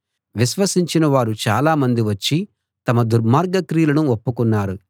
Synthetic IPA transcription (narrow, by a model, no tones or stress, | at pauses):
ʋiʃʋɐsiɲt͡ʃinɐʋaːɾut͡ʃaːlaːmɐnd̪iʋɐt͡ʃːi | t̪ɐmɐd̪uɾmaːɾɡɐkɾiːlɐnuopːukunːaːɾu